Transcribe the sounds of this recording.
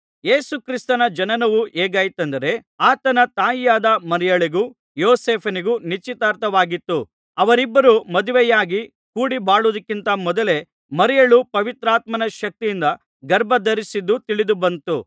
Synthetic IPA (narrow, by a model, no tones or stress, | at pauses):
je̞ːsukɾist̪ɐnɐd͡ʒɐnɐnɐʋuʔeːɡaːjt̪ɐnd̪ɐɾe̞ | aːt̪ɐnɐt̪aːjijaːd̪ɐmɐɾɛjɐɭiɡu | joːseːpʰɐniɡunit͡ʃit̪aːɾt̪ɐʋaːɡit̪ːu | ɐʋɐɾibːɐɾumɐd̪uʋɛjaːɡi | kuːɽibaːɭud̪ɐkːint̪ɐmɔd̪ɐle̞ | mɐɾijɐɭupɐʋit̪ɾaːt̪mɐnɐʃɐk̚t̪ijind̪ɐ | ɡɐɾbʱɐd̪ɐɾisid̪ːut̪iɭid̪ubɐnt̪u